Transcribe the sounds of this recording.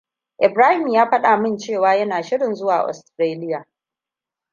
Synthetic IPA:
ʔɪ˨bɾaː˦hɪ˨mjaː˦ɸɐ˦ɗaː˨mɪ˦nt͡ʃeː˦˨waː˨˦jɐ˦naː˨ʃɪ˦ɽɪ˨nzʊ˦waː˨ʔʔɔ̰˨stɾeː˦lɪ˦jaː˨

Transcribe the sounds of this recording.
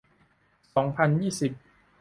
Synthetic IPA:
sɔː˩˦ŋpʰa˧njiː˥˩si˨˩p̚

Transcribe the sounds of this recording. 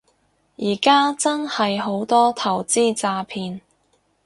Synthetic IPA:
jiː˨˩kaː˥t͡sɐ˥nhɐ˨jɦo˨˧˥wt̪ɔː˥t̪ʰɐ˨˩wt͡siː˥˩t͡saː˧pʰiː˧n

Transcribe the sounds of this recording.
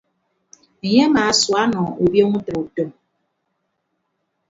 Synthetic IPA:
e˨ɲe˦maː˨swa˦nɔ˨o˨bjo˦ŋu˦tə˨ɾu˨tɔ˦

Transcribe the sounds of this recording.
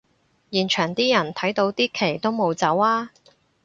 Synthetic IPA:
jiː˨˩nt͡ʃʰœː˨˩ŋt̪iː˥jɐ˨˩nt̪ʰɐ˨˥jt̪o˨˧˥wt̪iː˥kʰe˨˩jt̪o˥wmo˨˧wt͡sɐ˨˥waː˥

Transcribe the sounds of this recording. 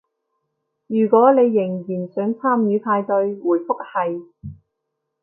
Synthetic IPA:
jyː˨˩kʷɔː˨˥ne˨˧jːɪ˨˩ŋjiː˨˩nsœː˨˥ŋt͡sʰaː˥mjyː˨˥p̪ʰaː˧jt̪ɵ˧ɥwuː˨˩jfʊ˥k̚hɐ˨j

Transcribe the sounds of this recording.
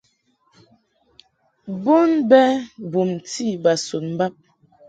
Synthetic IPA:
bo˦nbɛ˦bu˨mti˦˨ba˨so˨t̚m̩˨˦ba˦p̚

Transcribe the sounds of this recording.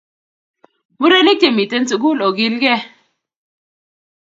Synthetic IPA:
mu˦ɾe˦ni˦te˨mi˨te˦nt͡su˨ku˦lo˨ɡi˦lɡɛ˦˨

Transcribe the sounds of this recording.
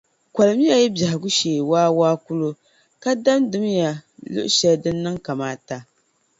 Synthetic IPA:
kʷa˨lɨ˨m˦ja˦jɛ˦ba˨hɪ˨ɡu˦ʃeː˨waː˦waː˦ku˦lu˦ | ka˦da˦mdɨ˦mja˨lʊ̰˦ʔʃɛ˦ldɨ˦nːɨ˦ŋka˨maː˦ta˨

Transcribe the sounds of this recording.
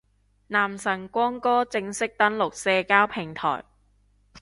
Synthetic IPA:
naː˨˩msɐ˨˩ŋkʷɔː˥ŋkɔː˥t͡sɪ˧ŋsɪ˥k̚t̪ɐ˨˥nlʊ˨k̚sɛː˧kaː˥wpʰɪ˨˩ŋt̪ʰɔ̰ː˨˩j

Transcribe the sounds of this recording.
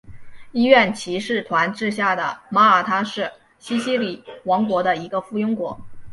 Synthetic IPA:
i˥ɥɛ˥˩nt͡ɕʰi˧˥ʂɻ̩˥˩t̪ʰwa˧˥nʈ͡ʂɻ̩˥˧ɕ̬ja˥˩d̪ə˩ma˥ə˞˨˩t̪ʰa˥ʂɻ̩˥˩ | ɕi˥ɕi˥li˨˩wɑ˧˥ŋkwɔ˧˥d̪ə˧i˧˥ɡə˧fu˥˩jʊ˥ŋkwɔ˧˥

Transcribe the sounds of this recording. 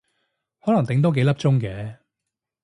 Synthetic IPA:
hɔː˨˥lɐ˨˩ŋt̪ɪ˨˥ŋt̪̬o˥ke˨˥jlɐ˥p̚t͡sʊ˥ŋkɛː˨˧

